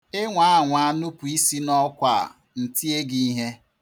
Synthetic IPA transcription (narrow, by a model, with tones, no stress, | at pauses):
ɪ˦ŋʷa˦a˦˨ŋʷa˦nu˦pu˨i˦si˦nɔ˦kʷa̰˨ | n̩˨ti˦e˦ɡi˦i˦ɦe˦